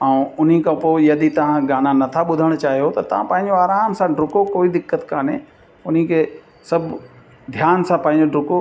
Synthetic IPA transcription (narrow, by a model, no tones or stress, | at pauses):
ɛ̃ʊn̤ikʰãpoːɪjɐd̪it̪ɐʋ̤ãɡaːnanɐt̪ʰaɓʊd̪ʱəɽ̃t͡ɕaːɦijot̪ɐt̪ɐʋ̤ãpɐ̃ɦɪ̃ɲ̆d͡ʑoaːɾaːmsãɖɾʊkokoːid̪ɪkːət̪kãːnɦḛ̃ | ʊn̤ikʰeː | sɐbʱ | d̪ʱjaːnsãpɐ̃ːɦɪ̃ɲd͡ʑoɖɾʊko